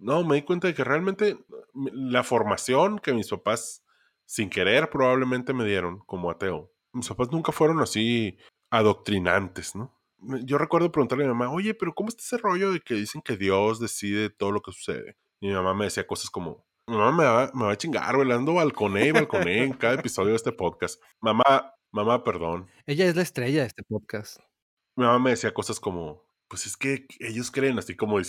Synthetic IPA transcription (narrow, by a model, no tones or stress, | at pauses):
nome̞ðikwe̞nt̪aðe̞kere̞almẽnt̪emlafo̞ɾmasjo̞ŋke̞mispapasː | iŋke̞ɾe̞ɾpɾo̞βaβle̞mẽnt̪e̞me̞ðje̞ɾo̞ŋko̞mo̞at̪e̞o | mispapaznũŋkafwe̞ɾo̞nasi | aðok̚t̪ɾina̰nt̪e̞sno̞ | meʝo̞rekweɾð̞o̞pɾeɣunt̪aɾlmimamao̞ʝe̞pe̞ɾo̞ko̞moest̪ḁesero̞ʝo̞ðe̞keðise̞ŋke̞ðjo̞zðe̞siðe̞t̪o̞ð̞o̞lo̞ke̞su̥se̞̰ðḛ | mimamame̞ðe̞siako̞sasko̞mo̞̰ | mimamameame̞βat͡ʃiŋɡa̰ɾβeland̪oβalko̞neiβalko̞neːŋkaðaepiso̞ðjoest̪epo̞ðkast̪ | mama | mamape̞ɾðo̞n | e̞ʝaezlaest̪ɾe̞ʝaðest̪epoðkast̪ | mimamame̞ðesiako̞sasko̞mo̞ | pwese̞ske̞e̞ʝo̞skɾe̞ːnasiko̞mo